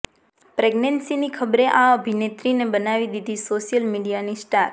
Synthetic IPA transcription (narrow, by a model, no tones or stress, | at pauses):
pɾeɡnensinikʰəbɾeʔaəbʱinet̪ɾinebənaʋid̪id̪ʱisoʃjəlmiɖijanisʈaɾ